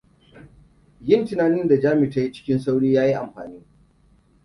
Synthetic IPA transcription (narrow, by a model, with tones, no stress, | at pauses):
jɪ˦ntɪ˨naː˨nɪ˦nda˨d͡ʒaː˦mɪ˨tɐ˦ji˦t͡ʃɪ̥˦kʲɪ˦nsa˦wɽiː˦jaː˦ji˦ʔa̰˨mɸa̰ː˨niː˦